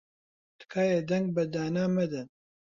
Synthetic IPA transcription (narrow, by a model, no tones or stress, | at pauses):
t̪ɨ̥kʰaːjed̪ɛŋɡ̚bɐd̪aːnaːmɐd̪ɨn